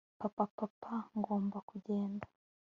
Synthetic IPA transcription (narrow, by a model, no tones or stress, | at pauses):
papapapʰaŋɡo̞ːmbakuɟe̞ːndḁ